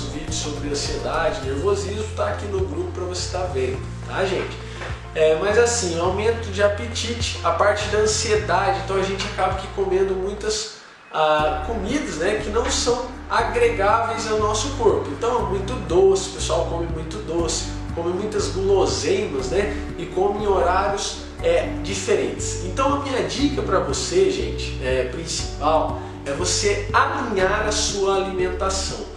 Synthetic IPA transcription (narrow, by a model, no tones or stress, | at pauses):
zvid͡ʒʊsːobɾɪɐ̃sied̪ad͡ʒɪneɾvozizmʊt̪aːkinʊɡɾupʊpɾɐvose̥t̪avẽd̪ʊt̪aʒẽt͡ʃɪ̥ | ɛmɐzasĩawmẽnt̪ʊd͡ʒɪapet͡ʃit͡ʃɪ̥apaɾt͡ʃɪd̪ɐɐ̃sied̪ad͡ʒɪẽt̪ɐ̃w̃aʒẽnt͡ʃɪakabɐkɪ̥komẽnd̪ʊmũj̃t̪ɐs | akomid̪ɐznɛkɪnɐ̃w̃sɐ̃w̃ | aɡɾeɡavejzawnɔsʊkoɾpʊẽnt̪ɐ̃w̃ɛmũj̃t̪ʊd̪osɪpesuawkõmɪmũj̃t̪ʊd̪osɪ̥ | kõmɪmũj̃t̪ɐzɡlozẽjmɐznɛ | ɪkõmɪ̃oɾaɾjʊs | ɛd͡ʒifeɾḛ̃nt͡ʃ̪ɪ̥sẽnt̪ɐ̃w̃ɐmĩɲɐd͡ʒikɐpɾɐvoseʒḛ̃nt͡ʃɪ̥ɛpɾĩsi̥paw | ɛvosealĩɲaɾɐsuɐalimẽnt̪asɐ̰̃w̃